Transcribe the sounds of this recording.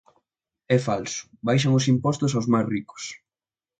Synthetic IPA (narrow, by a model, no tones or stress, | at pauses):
ɛfalsʊ̥bajʃ̬aŋʊs̬impɔst̪ʊs̬awzmajsrikʊ̥s